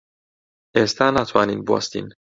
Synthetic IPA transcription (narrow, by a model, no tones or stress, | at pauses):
est̪anat̪ʰwaninbɔ̰st̪ḭn